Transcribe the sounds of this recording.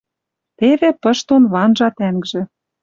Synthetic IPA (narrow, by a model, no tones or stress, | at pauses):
t̪evĕpə̆ʃt̪onβɑnʒɑt̪æŋɡʒĕ